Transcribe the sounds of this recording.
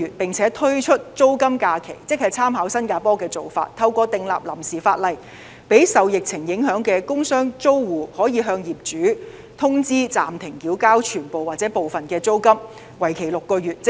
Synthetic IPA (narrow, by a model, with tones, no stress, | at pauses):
yː˨t̚pɪ˨ŋt͡sʰɛː˨˥t̪ʰɵ˥ɥt͡ʃʰɵ˥t̚t͡so˥wkɐ˥mkaː˧kʰe˨˩jt͡sɪ˥k̚hɐ˨jt͡sʰaː˥mɦaː˨˥wsɐ˥nkaː˧pɔː˥kɛː˧t͡so˨wfa̰ː˧t̚t̪ʰɐ˧wkʷɔː˧t̪ɪ˨˧ŋla̰ː˨p̚lɐ̰˨˩msiː˨˩faː˧t̚lɐ˨j | pe˨˥jsɐ˨wjɪ˨k̚t͡sʰɪ˨˩ŋjɪ˨˥ŋɦœː˨˥ŋkɛː˧kʊ˥ŋsœː˥ŋt͡so˥wwuː˨˩hɔː˨˥jiː˨˧ɦœː˧ŋjiː˨p̚t͡ʃyː˨˥ | t̪ʰʊ˥ŋt͡siː˥t͡sa̰ː˨mt̪ʰɪ˨˩ŋkiː˨˥wkaː˥wt͡ʃʰyː˨˩npo˨waː˨t̚t͡sɛː˨˥po˨wfɐ˨nkɛː˧t͡so˥wkɐ˥m | wɐ˨˩jkʰe˨˩jlʊ˨kːɔː˧jyː˨t̚t͡s